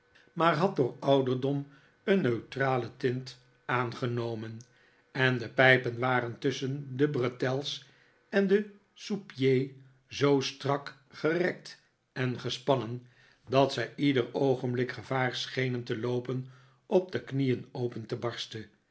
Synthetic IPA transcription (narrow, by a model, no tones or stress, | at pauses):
maːɹɦɑt̚dʊːɹɑwdəɹdɔm | ənːøɥtraːlətɪnt | aːnχənowmən | ɛndəpɛjpənʋaːɾəntʏsəndəbrətɛlˠs | ɛndə | supjej | zowstrɑk | χərɛk̚t | ɛnχəspɑnən | dɑtsɛjʔidərowχənmblɪkχəv̥aːɹsχejnəntəlowpən | ʔɔp̚dəknijənowpəntəbɑɹstə